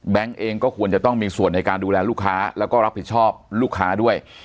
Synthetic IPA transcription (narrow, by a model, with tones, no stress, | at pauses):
bɛ˦˥ŋʔeː˧ŋkɔː˥˩kʰu˧ənt͡ɕa˨˩t̪ɔ˥˩ŋmiː˧su˨˩ənːa˧jkaː˧nduː˧lɛː˧luː˥˩kʰaː˦˥lɛː˦˥wkɔː˥˩ɾa˦˥pʰi˨˩t̪̚t͡ɕʰɔː˥˩p̚luː˥˩kʰːaː˦˥du˥˩əj